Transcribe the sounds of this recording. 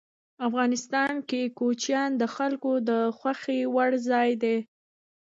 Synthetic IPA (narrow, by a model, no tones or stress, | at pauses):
afɣɑnɪst̪ɑnkekot͡ʃjɑnd̪əxalkod̪əxwaxewaɽzɑjd̪e